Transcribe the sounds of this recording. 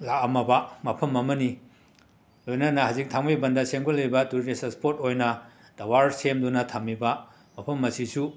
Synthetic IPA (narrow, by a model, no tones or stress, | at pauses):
lakɐmɐbɐmɐpʰɐmːɐmɐni | lojnɐnɐhazik̚tʰaŋmibɐndɐseŋɡolɐjbɐtuɾdesɐspʰotojnɐ | d̥ɐwaɾsemdunɐtʰamːibɐ | mɐpʰɐmːɐsisu